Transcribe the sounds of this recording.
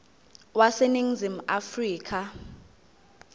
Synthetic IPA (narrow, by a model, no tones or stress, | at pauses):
waseniŋ̩zim̩ʔafriːkʰa